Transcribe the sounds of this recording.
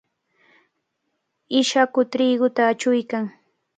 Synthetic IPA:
ɪʃakʊt̪ɾɪːɡʊt̪aːt͡ʃʊjkaŋ

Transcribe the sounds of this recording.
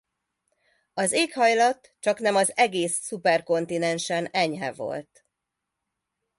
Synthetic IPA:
ɒzeːkhɒjlɒt̪ | t͡ʃɒknɛmɒzɛɡeːsːupɛrko̞nt̪inɛnʃɛnɛɲɦɛ̰vo̞̰lt̪

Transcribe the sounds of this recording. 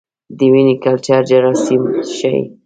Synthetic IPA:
d̪əwinikalt͡ʃaɾd͡ʒaɾasimʃa̰j

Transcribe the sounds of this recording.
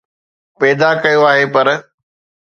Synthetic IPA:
pɛːd̪akɐjoaːɦepɐɾ

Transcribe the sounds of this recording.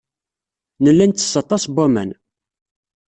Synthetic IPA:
nəlːænt̪ːə̥sːɑt̪ˤɑsbumæ̰n

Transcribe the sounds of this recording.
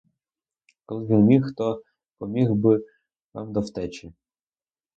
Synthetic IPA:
kɔlˠɪʋʲinmʲixt̪ɔ | pɔmʲiɣbɪ | ʋ̪a̰md̪ɔwt̪ɛt͡ʃʲi

